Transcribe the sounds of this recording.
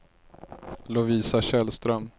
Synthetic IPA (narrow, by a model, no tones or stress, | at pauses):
lʊviːsaɕɛlst̪ɾœm